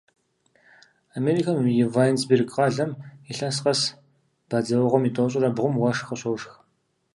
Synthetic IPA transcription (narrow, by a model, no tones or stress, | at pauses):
ameːɾikʰɐmjɪvajnsbirɡʼqɐɮɐmiɬɐnsqɐs | b̥ɐd͡zɐwʁʷɔmiːtʼoːɕʼɪrɐbʁʷʊmwɐʂxɐɕowʂx